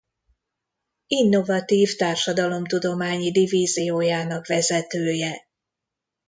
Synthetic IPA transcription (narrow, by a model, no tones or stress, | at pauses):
inːo̞vɒt̪iːft̪aːrʃɒd̪ɒlo̞mt̪ud̪o̞maːɲid̪iviːzijoːjaːnɒkvɛzɛt̪øːjɛ